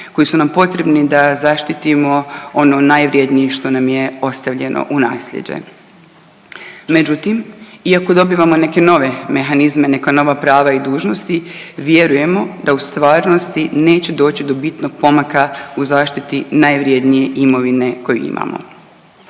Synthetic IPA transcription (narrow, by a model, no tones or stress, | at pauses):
ko̞jisunampo̞t̪ɾe̞bnid̪azaʃt̪it̪imo̞o̞no̞najʋɾje̞d̪nijeʃt̪o̞namje̞o̞st̪aʋʎe̞nʔo̞̰ʔunaːslḛd͡ʑḛ | me̞d͡ʑut̪imiako̞d̪o̞biːʋamo̞ne̞ke̞no̞ʋe̞me̞xanizme̞ne̞kano̞ʋapɾaːʋaid̪uːʒno̞st̪iʋje̞ɾuje̞mo̞d̪aust̪ʋaːɾno̞st̪ine̞ːt͡ɕe̞d̪o̞ːt͡ɕid̪o̞bit̪no̞ɡ̚po̞makauzaːʃt̪it̪inajʋɾje̞d̪nije̞ʔimo̞ʋine̞ko̞jṵḭmʔa̰mo̰